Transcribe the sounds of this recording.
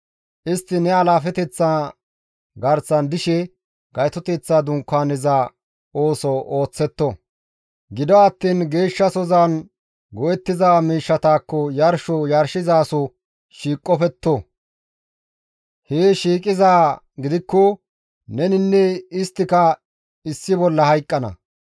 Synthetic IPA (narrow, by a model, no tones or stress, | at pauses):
ʔɪst̪ːɪnɛɐlaːfɛt̪ɛt͡sːa | ɡɐɾsɐnd̪ɪʃɛ | ɡ̥ɐjt̪ɔt̪ɛt͡sːaːd̪ʊŋkːaːnɪzaː | oːsɔʔoːt͡sːɛt̪ːɔ | ɡɪd̪ɔɐt̪ːiːnɡe̞ːʃːɐsɔzan | ɡɔʔɛt̪ːɪzaːmiːʃːɐt̪aːkːɔjɐɾʃɔjɐɾʃɪzaːsɔ | ʃiːkʼːɔfɛt̪ːɔ | heːʃiːkʼɪzaː | ɡɪd̪ɪkːɔ | nɛnɪnːɛɪst̪ːɪkɐ | ɪsːɪbɔlːɐhɐjkʼːɐnɐ̰